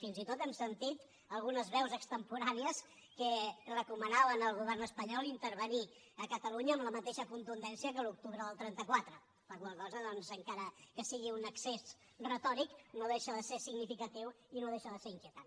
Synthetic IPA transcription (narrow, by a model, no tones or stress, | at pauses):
finzit̪ot̪ɛmsənt̪it̪ | əlˠɣunəzβɛwzəkst̪əmpuɾaniəskərəkumənaβənəlˠɣuβ̞ɛrnəspəɲɔlˠint̪əɾβ̞əni | əkət̪əluɲəːmləmət̪eʃəkunt̪und̪ɛnsiəkəluk̚t̪uβɾəðəlˠt̪ɾɛnt̪əkwat̪ɾə | pəɾɣwalˠkɔzəðɔnzəŋkaɾəkəsiɣiunəksez | rət̪ɔɾiknoðeʃəðəsesiɡnifikət̪iw | inoðeʃəðəseɾiŋkjiət̪an